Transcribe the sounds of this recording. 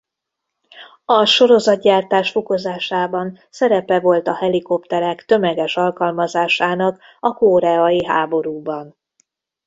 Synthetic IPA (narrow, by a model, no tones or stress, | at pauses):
ɒʃo̞ɾo̞zɒt̪̚ɟaːrt̪aːʃfoko̞zaːʃaːbɒn | sɛɾɛpɛvo̞lt̪ɒhɛliko̞pt̪ɛɾɛkt̪ø̞mɛɡɛʃɒlkɒlmɒzaːʃaːnɒk | ɒkoːɾɛɒjiɦaːbo̞ɾuːbɒn